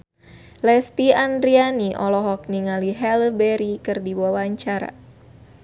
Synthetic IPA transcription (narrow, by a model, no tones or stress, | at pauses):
lɛst̪iandɾianiʔɔ̰lɔɦɔk̚niŋaliɦɛlbɛɾikɨrdibuawaɲt͡ʃaɾa̰